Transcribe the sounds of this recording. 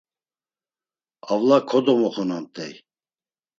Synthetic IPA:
avlakʰɔd̪ɔmɔχɔnant̪ʼɛ̰j

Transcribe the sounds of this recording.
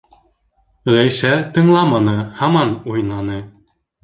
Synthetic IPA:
ʁæjʃæt̪ɤ̆ɴlˠɑmɑnɤhɑmɑnujnɑnɤ

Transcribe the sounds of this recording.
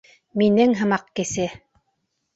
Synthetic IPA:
minɘŋɦɤ̆mɑqkɘ̆sɘ

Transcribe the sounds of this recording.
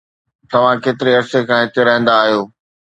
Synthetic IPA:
t̪ɐʋ̤ãkeːt̪ɪɾeɐɾsekʰãːẽt̪ɪɾãɪ̃ːn̆d̪aːɦijoː

